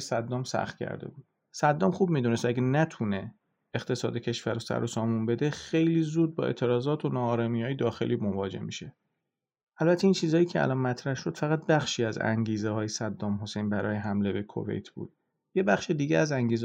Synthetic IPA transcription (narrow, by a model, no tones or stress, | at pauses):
sæd̪ːɒːmsæ̰xt̪̚cʲʰæ̰ɾd̪e̞̰bud̪̥ | sæd̪ːɒːmxuːb̚miːd̪une̞st̪æɡænæt̪ʰune | ext̪ʰe̞sɒ̰ːd̪e̞cʰe̞ʃvæɾosæ̰ɾosɒːmunbe̞d̪exe̞jliːzuːd̪̚bɒ̰ːe̞̰t̪ʰe̞ɾɒːzɒːt̪ʰonɒːɾɒmijɒːjed̪ɒːxḛliːmonvɒːd͡ʒehmḭʃe | ʔælbæt̪ʰːeiːnt͡ʃʰiːzɒːjiːcʰeæ̰lɒnmæt̪ʰɾæhʃo̞d̪fæɣæt̪̚bæxʃiːæzæ̰ŋɟiːzeɦɒːjesæd̪ːɒːmɦosejnbæɾɒːjeɦæmle̞be̞kʰo̰ve̞̰jt̪ʰb̥ṵːd̪̥̚ | jebæxʃed̪iːɟeæzæŋɟiːz